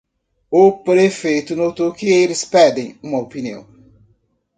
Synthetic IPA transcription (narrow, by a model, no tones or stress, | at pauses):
ʊpɾefejt̪ʊnot̪owkɪelɪspɛd̪ẽj̃ũmɐopiniɐ̰̃w̃